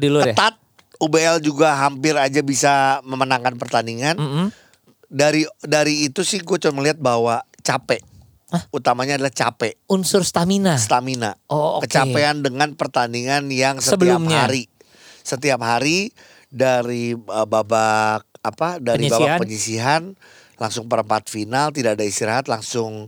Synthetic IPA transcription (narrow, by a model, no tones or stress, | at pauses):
dilukət̪at̪̚ | ubeɛld͡ʒuɡaɦampɪɾad͡ʒabisaməmənaŋkanpərt̪aniŋan̩ | daɾidaɾiːt̪usɪhɡuat͡ʃɔməliɦat̪̚bahwat͡ʃapɛ | aut̪amaɲaːdalaht͡ʃapɛunsʊrst̪aminasst̪aminaookəkt͡ʃapeandəŋanpərt̪aniŋanjaŋsəət̪əliupmhɲaɾi | sət̪iapɦaɾi | daɾiəbabak̚apadaɾibaabakpəɲisiɦan | laŋsʊŋpəɾəmpat̪finalt̪̬idaadaist̪iɾaɦat̪laŋsʊŋ